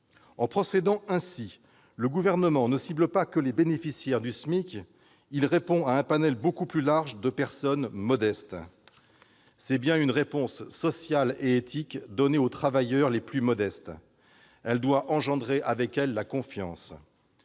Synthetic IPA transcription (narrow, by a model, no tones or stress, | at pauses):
ɑ̃pχɔsed̪ɑ̃ʔɛ̃si | ləɡuvɛʁnəmɑ̃nəsibləpakəlebenefisjɛʁd̪ysmik | ilʁepɔ̃aɛ̃panɛlbokuplylaʁʒd̪əpɛʁsɔnmɔd̪ɛst̪ | sɛbjɛ̃ynʁepɔ̃sːɔsjaleet̪ʰikd̪ɔneot̪χavajœʁleplymɔd̪ɛst̪ | ɛld̪waʔɑ̃ʒɑ̃d̪ʁeʔavɛkɛlːakɔ̃fjɑ̰̃s